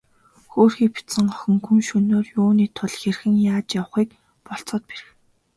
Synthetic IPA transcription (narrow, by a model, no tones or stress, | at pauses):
xoːrxiːkpʰi̥t̪sə̆ŋɢɔxʲɞ̆ŋxʰuŋʃɵnoːrjuːniːt̪ʰʊɮxerxɘ̆ŋjaːt͡ɕjawə̆χiːk | pɔɬt͡sɔːt̪̚peɾɘ̆x